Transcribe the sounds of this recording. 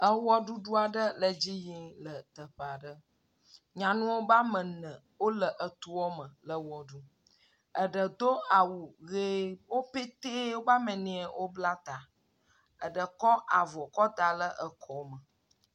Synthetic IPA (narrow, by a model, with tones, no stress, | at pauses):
ə˦wɔ˦ɖu˦ɖu˦a˨ɖə˦lə˨d͡ʑi˦jĩ˦lə˨t̪ə˨ɸə˨a˨ɖə˦ | ɲã˨nũ˦wo˦ba˦mə̃˨nə̃˨ | wo˦lə˨ʔə˨t̪u˦wɔ˦mə̃˨lə˨wɔ˨ɖu˦ | ə˨ɖə˨d̪o˦a˨wu˨ɣe˦wo˦pe˦t̪e˦wo˦ba˦mə̃˨nĩ˨˦ɛ˨wʔo˦bla˦t̪a˨ | ə˨ɖə˨kɔ˦ʔa˨vɔ˨kɔ˦t̪a˨lə˦ʔə˨kʰɔ˨˦mə˨